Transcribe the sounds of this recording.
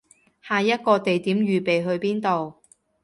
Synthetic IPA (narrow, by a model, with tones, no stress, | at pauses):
haː˨jɐ˥t̚kɔː˧t̪e˨jt̪iː˨˥mɥyː˨˩pe˨jɦɵ˧ɥpiː˥nt̪o˨w